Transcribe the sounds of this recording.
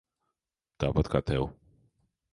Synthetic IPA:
d̪̥abat̪kʰat̪ʰɛw

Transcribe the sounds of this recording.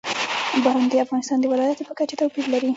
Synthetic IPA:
bɑɾand̪əafɣɑnɪst̪ɑnd̪əwɪlɑjat̪opəkat͡ʃet̪awpiɾlaɾi

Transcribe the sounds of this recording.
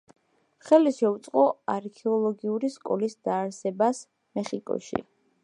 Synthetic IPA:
χɛliʃɛut̪sʼqʼɔaɾkʰɛɔlˠɔɡiuɾiskʼɔlisd̪̥aːɾsɛbas | mɛχikʼɔ̰ʃḭ

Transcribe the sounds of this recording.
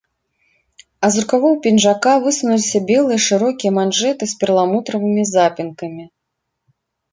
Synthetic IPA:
ɐzuɾkavɔwpʲinʐakavɨsunulʲisʲɐbʲɛlˠɨjɐʂɨɾɔkʲijɐmanʐɛt̪ɨsʲpʲɛrlˠamut̪ɾɐvɨmʲizapʲinkɐmʲi

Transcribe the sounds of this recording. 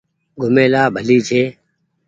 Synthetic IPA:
ɡʱʊmẽːlaːbʱəliːt͡ʃʰeː

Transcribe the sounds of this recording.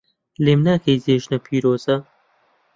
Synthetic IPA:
leːmnaːkejzeːʒnɐpʰiːɾoːzɐ

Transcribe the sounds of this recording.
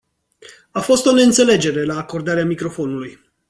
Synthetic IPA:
afo̞st̪o̞ne̞ɨnt̪se̞le̞d͡ʒe̞ɾe̞laːko̞rd̪aɾeamikɾo̞fo̞nuluj

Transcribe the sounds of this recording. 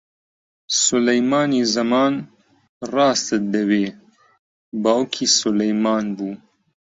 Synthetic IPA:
sʊlɐjmɑːnizɐmɑːn | rɑːst̪ɨd̪ɐweː | baːwkʰiːsʊlɐjmɑːnbuː

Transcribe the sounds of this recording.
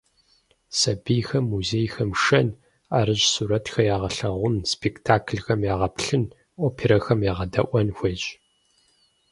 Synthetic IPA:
sɐbijxɐmːuzeːjxɐmʂɐn | a̰ːɾɨʑsuːɾɐtxɐjaːʁɐɬɐʁʷʊnspʰektʰaːkʰɬxɐmjaːʁɐpɬɨn | oːpʰeɾɐxɐmjaːʁɐdɐʔʷɐnxʷeɕʼ

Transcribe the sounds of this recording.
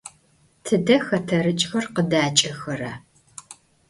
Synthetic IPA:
tʰɨdɐxɐtʰɐɾɨt͡ʃʼxɐrqədaːt͡ʃʼɐxɐɾɐ

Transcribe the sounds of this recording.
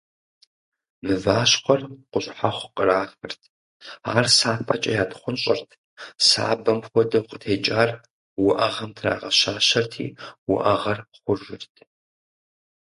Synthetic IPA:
mɨvaːɕχʷɐrqʷʊɕʼħaχʷqʼəraːxɨrtʰ | a̰ːrsaːpʰʼat͡ʃʼɐjaːtʰχʷʊnɕʼɐrtʰ | sa̰ːbɐmxʷɔdɐwqʼətʰeːt͡ʃʼaːr | wʊʔɐʁɐmtʰra̰ːʁɐʃaːʃɐrtʰḭːwʊ̰ʔɐʁɐrχʷʊʒɪrtʰ

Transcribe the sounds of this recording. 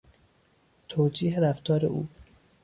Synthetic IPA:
t̪ʰoːd͡ʒiːɦeɾæft̪ɒːɾḛʔṵː

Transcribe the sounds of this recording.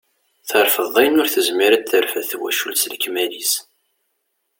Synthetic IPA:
θəɾˤfəðˤæjnʊɾθəzmiɾæθəɾfæθwæ̰ʃṵlsləkːmælis

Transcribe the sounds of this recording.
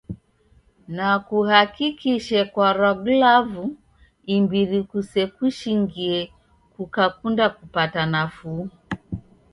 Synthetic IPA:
nakuhakikiʃɛkwaɾaɡlavu | imbiɾikusɛkuʃiŋɡiɛ | kukakundakupatanafu

